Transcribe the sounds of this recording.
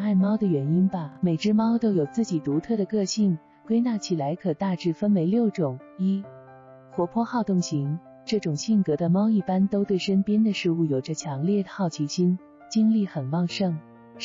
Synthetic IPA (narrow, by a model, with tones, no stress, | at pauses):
a˥˩nmɑ˥ʊd̪ə˨ɥɛ˧˥ni˥nbɐ˨me˨˩ɪʈ͡ʂɻ̩˥mɑ˥ʊt̪o˥ʊjo˨˩ʊt͡sɹ̩˥˩t͡ɕi˨˩t̪u˧˥t̪ʰɤ˥˩ɾə˩kɤ˥˧ɕi˥˩ŋ | kwe˥ɪna˥˩t͡ɕʰi˨˩la˧˥ɪkʰɤ˨˩t̪a˥˧ʈ͡ʂɻ̩˥˩fə˥nwe˧˥ɪljo˥˩ʊʈ͡ʂʊ˨˩ŋ | i˥ | xwɔ˧˥pʰwɔ˥˧xɑ˥˧ʊt̪ʊ˥˩ŋɕi˧˥ŋ | ʈ͡ʂɤ˥˩ʈ͡ʂʊ˨˩ŋɕi˥˩nkɤ˧˥d̪ə˧mɑ˥ʊi˥˩pa˥nt̪o˥ʊt̪we˥˩ɪʂə˥npjɛ˥nd̪ə˨ʂɻ̩˥˧u˥˩jo˨˩ʊʈ͡ʂə˦t͡ɕʰjɑ˧˥ŋljɛ˥˩d̪ə˩xɑ˥˩ʊt͡ɕʰi˧˥ɕi˥n | t͡ɕi˥ŋli˥˩xə˨˩nwɑ˥˧ŋʂɤ˥˩ŋ